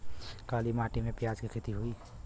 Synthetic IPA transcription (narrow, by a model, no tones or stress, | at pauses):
kaːlimaːʈimẽpjaːd͡ʒkikʰɪt̪iɦʊiː